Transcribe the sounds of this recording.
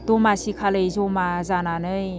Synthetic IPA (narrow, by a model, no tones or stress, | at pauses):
dɔmasikʰalɯjzɔmazananɯj